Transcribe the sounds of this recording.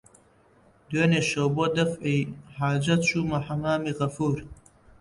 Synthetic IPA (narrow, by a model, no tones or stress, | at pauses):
d̪weːneʃɐwbod̪ɐfijħaːd͡ʒɐt̪ʃuːmɐħɐmaːmiɣɐfuːɾ